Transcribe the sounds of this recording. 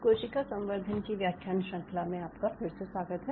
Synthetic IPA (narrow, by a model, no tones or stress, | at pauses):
koːʃikasɐ̃mʋəɾd̪ʱənkiʋjaːkʰjaːnʃɐ̃ŋkʰlamẽaːpkafɪɾseswaːɡət̪ɦɛ